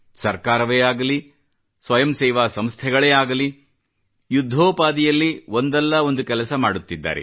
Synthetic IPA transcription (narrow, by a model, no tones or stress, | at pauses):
sɐɾkaːɾɐʋeːaːɡɐli | sʋɐjɐmsɛːʋaːsɐmst̪ʰɛɡɐɭeːaːɡɐli | jud̪ʱːoːpaːd̪ijɐlːio̞nd̪ɛlːɐo̞nd̪ukɛlɐsɐmaːɽut̪ːid̪ːa̰ːɾḛ